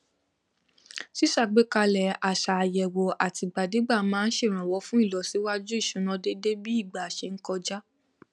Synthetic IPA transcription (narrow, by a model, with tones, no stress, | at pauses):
si˦ʃa˦˨ɡ͡be˨˦ka˧lɛ˨a˨ʃa˨jɛ˨wo˨ʔa˨ti˧ɡ͡ba˨de˨˦ɡ͡ba˦˨mãː˦n̩˦ʃe˦˨ɾ̃ã˨wɔ˨˧˦fũ˦i˦˨lɔ˨˦si˨˦wa˦d͡ʒu˦i˦˨ʃũ˨˦nã˧de˦de˦bi˦i˦˨ɡ͡ba˨ʃe˧˦ŋ̩˦kɔ˧d͡ʒa˦